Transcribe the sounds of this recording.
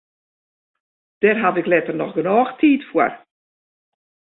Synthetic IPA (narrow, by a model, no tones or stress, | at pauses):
d̥ɛrɦatɪklɛtərnɔχɡənɔːxtʰiːtfuəər